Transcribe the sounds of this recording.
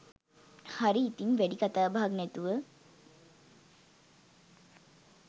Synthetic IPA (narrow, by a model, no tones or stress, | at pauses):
haɾiːt̪iŋʋæɖikat̪aːbaɦaɡnɛt̪uʋə